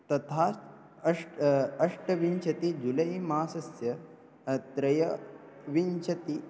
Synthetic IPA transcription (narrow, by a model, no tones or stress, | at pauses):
t̪ɐt̪ʰaː | ɐʂɐʂʈɐʋiɲt͡ʃʰɐt̪id͡ʒulɐjmaːsɐsjɐ | t̪ɾɐjɐʋint͡ʃʰɐt̪i